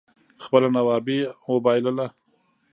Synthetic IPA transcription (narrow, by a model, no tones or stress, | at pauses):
xpəlanawɑbeməbɑjləla